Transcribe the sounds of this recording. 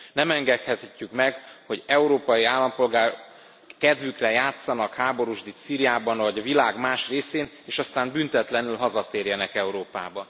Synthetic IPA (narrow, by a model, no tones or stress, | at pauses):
nɛmɛŋɡɛt̪hɛt̪ɛcːykmɛɡho̞ɟɛuɾoːpɒjiaːlːɒmpo̞lɡaːr | kɛd̪vykrɛjaːt̪sɒnɒkhaːbo̞ɾuʒd̪it̪siːɾijaːbɒnvɒɟɒvilaːɡmaːʃreːseːn | eːʃɒst̪aːmbynt̪ɛt̪lɛnylɦɒzɒt̪eːrjɛnɛkɛuɾoːpa̰ːbɒ